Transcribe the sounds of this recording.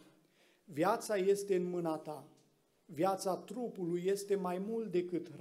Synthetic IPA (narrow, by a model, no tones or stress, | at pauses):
vjat̪saje̞st̪e̞ɨnmɨnat̪a | vjat̪sat̪ɾupulujːe̞st̪e̞majmult̪̚d̪e̞kɨt̪r